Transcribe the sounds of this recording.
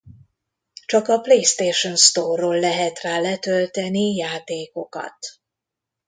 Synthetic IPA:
t͡ʃɒkɒplejst̪eːʃonst̪oːrːoːlːɛɦɛt̪raːlɛt̪ølt̪ɛnijaːt̪eːko̞kɒ̰t̪

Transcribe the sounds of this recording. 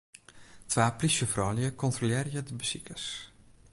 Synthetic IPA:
tʋaːplisjəfrɔːljəkʰɔntroljɪːrəjədəbəsikʰəs

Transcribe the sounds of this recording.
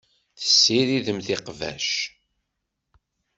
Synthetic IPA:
θə̥sːiɾiðəmθɪqvæ̰ʃ

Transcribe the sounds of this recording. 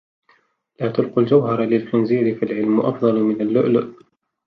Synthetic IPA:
laːt̪ʊlquld͡ʒawɦɑɾˤlɪlxɪnziːɾɪfilʕɪlmʊʔɑ̰fd̪ˤɑlmɪnalːʊ̰ʔlʊʔ

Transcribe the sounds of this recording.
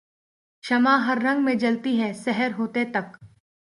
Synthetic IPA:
ʃɐmãɦɐɾːɐ̃ŋɡmẽd͡ʒɐlt̪iɦɛsɛɦəɾɦoːt̪et̪ɐk

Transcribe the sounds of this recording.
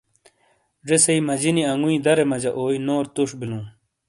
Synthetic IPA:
ɖesɐimɐd͡ʑiniɐŋɡuĩd̪ɐɾemɐd͡ʑɐʔoːjnoːɾt̪uʂbilũː

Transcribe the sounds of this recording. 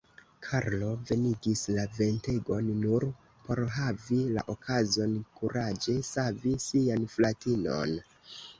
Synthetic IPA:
kʰaɾlo̞ve̞niɡislave̞nte̞ɡo̞nːuɾ | po̞ɾɦavila̰ʔokʰazo̞nkuɾad͡ʒesavisianflatino̞̰n

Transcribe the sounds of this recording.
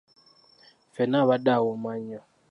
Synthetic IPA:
fɛnaβaɗawɔmaɲɔ

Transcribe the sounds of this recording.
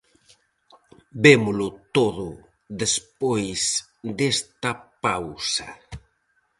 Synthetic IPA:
bemʊlʊt̪oðʊ | ðespojs | d̪est̪ɐpawsɐ

